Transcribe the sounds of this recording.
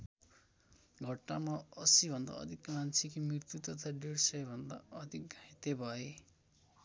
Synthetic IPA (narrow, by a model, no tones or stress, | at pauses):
ɡʱʌʈnamaʌsibʱʌnd̪a̰ʌ̰d̪ʱikmant͡sʰikimrirt̪jut̪ʌt̪ʰaɖeɽsʌjbʱʌnd̪a̰ʌd̪ʱiket̪ebʱʌe